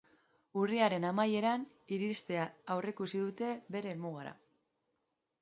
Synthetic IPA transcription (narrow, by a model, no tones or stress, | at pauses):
uriaɾe̞namaje̞ɾan | iɾist̪e̞aːwrekusiðut̪e̞βe̞ɾe̞ːlmuɣ̞aɾa̰